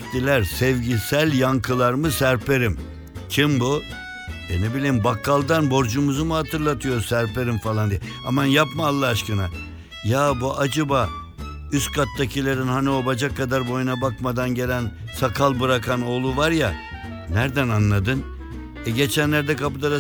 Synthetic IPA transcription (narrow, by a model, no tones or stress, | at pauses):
t̪ilʲæɾsɛvɟisælʲjaŋkʰɯlˠaɾmɯsæɾpʰe̞ɾim | t͡ʃʰimbu | d̪enibilʲiːmbakʰːalˠd̪anbo̞ɾd͡ʒumuzumuhat̪ʰɯɾlˠat̪ʰɯjo̞ɾsæɾpe̞ɾimfalˠand̪ijɛ | a̰manjapmaːlˠːaːʃkɯna | jaːbuʔad͡ʒabaː | yskʰat̪ːacʰilʲeɾinhaniobad͡ʒakʰːad̪aɾbo̞junabakmad̪anɟe̞lʲæn | sakʰalˠbɯɾakʰano̞ːlˠuvaɾja | næɾd̪ænanlˠad̪ɯn | ɛɟe̞t͡ʃʰænlʲæɾd̪ɛkapɯd̪ad̪a